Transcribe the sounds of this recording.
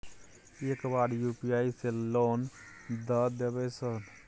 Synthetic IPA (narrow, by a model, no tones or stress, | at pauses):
eːkbaːɖjupiaːiseloːn | d̪əd̪ebəsən